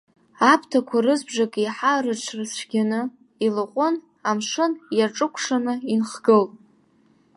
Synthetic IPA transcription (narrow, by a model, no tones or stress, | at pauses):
apʰtʰakʷʰarɨzbʐakʼiħarɨt͡ʃʷʰrɨsʷʰɡʲanɨ | ilɨqʷʼʊn | amʂɨnjarʈ͡ʂʼɨkʷʰʂanɨinχɡ̥ɨlʼ